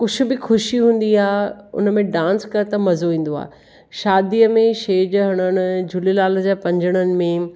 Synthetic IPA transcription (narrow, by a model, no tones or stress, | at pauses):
kʊd͡ʑʰʊ̆bɪxʊʃiɦũːn̆d̪iaːɦʊ̰nəmẽɖãːnskɐɾt̪ɐmɐzoʋĩːn̆d̪oa̰ː | ʃaːd̪iəmẽʃeːd͡ʑɦɐɽ̃əɽ̃ʊ̆d͡ʑʱʊlilaːld͡ʑaːpɐ̃ɲd͡ʑəɽ̃ənɪ̆mẽ